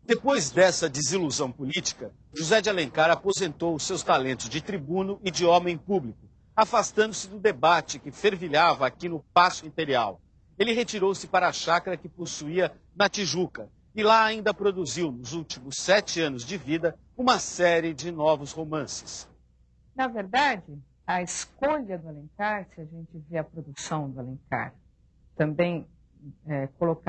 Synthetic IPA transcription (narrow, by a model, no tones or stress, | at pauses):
d̪̥epojzd̪ɛsɐd͡ʒɪziluzɐ̃w̃pulit͡ʃi̥kɐ | ʒuzɛd͡ʒɪalẽŋkaɾapozẽnt̪owʊsewst̪alẽnt̪ʊzd͡ʒɪt̪ɾibũnʊʔɪd͡ʒɪɔmẽj̃publikʊ | afast̪ɐ̃nd̪ʊsɪd̪ʊd̪ebat͡ʃɪkɪfeɾviʎavɐːkinʊpasʊĩpeɾia̰w | elɪɦet͡ʃiɾowsɪpaɾɐːʃakɐɾɐkɪposuiɐ | nɐt͡ʃiʒukɐ | ɪlaːĩnd̪ɐpɾod̪uziwnʊzuwt͡ʃimʊsːɛt͡ʃɪɐ̃nʊzd͡ʒɪvid̪ɐ | ũmɐsɛɾɪd͡ʒɪnɔvʊshomɐ̃sɪ̥s | nɐveɾd̪ad͡ʒɪ | ɐɪskoʎɐd̪ʊalẽŋkaɾsɪɐʒẽnt͡ʃɪveɐpɾod̪usɐ̃w̃d̪ʊalẽŋka̰ɾ | t̪ɐ̃mbẽj̃ | ɛkolok